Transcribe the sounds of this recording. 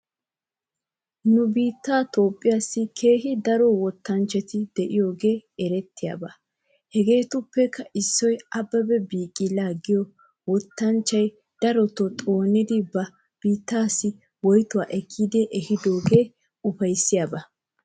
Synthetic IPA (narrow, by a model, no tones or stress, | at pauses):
nʊbiːt̪ːaːt̪o̞ːpʼːɪjaːsːɪkʰe̞ːɦɪd̪ɐɾɔwɔt̪ːɐnt͡ʃːɛt̪ɪd̪ɛʔɪjo̞ːɡe̞ːɛɾɛt̪ːɪja̰ːbɐ | hɛɡe̞ːt̪ʊpːɛkʰːɐɪsːɔjɐbːɐbɛbiːkʼːɪlaːɡɪjɔ | wɔt̪ːɐnt͡ʃːɐj | d̪̥ɐɾɔt̪ɔt̪ʼo̞ːnɪd̪ɪbɐ | b̥iːt̪ːaːsːɪ | wɔjt̪ʊwaːʔɛkʰːiːd̪ɛʔɛhɪd̪o̞ːɡe̞ː | ʊfɐjsːɪjabɐ